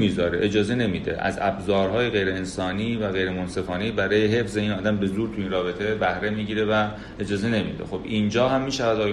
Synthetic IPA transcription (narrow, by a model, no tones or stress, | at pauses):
miːzɒːɾeʔed͡ʒɒːze̞ne̞mid̪e̞̰ʔæ̰zæ̰bzɒːɾɦɒːjeɣe̞jɾe̞ːnsɒːniːvæɣe̞jɾemonse̞fɒːniːbæɾɒːjeɦe̞fze̞iːnɒːd̪æmbe̞zuːɾt̪ʰuiːnrɒːbet̪ʰe̞bæhɾe̞miːɟiːɾe̞væ | ed͡ʒɒːze̞ne̞mḭd̪e̞̰xo̞biːnd͡ʒɒːhæmːiːʃævæd̪ɒːj